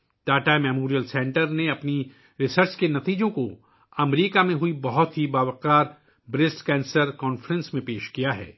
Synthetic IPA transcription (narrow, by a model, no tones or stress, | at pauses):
ʈaːʈamɛːmoːɾijəlsɛ̃ːɳʈəɾneɐpni | ɾɪsəɾt͡ʃkenɐt̪iːd͡ʒõko | ɐmɾiːkamẽɦʊibɐɦʊt̪ɦibaːʋəqaːɾ | bɾɪsʈkɛ̃ːnsəɾkɔːnfɾə̃nsmẽpeːʃkijaɦɛ̰ː